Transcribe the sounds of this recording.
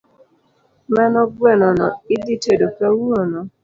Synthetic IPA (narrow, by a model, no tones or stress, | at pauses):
manɔɡwɛnɔnɔɪditedokawuonɔ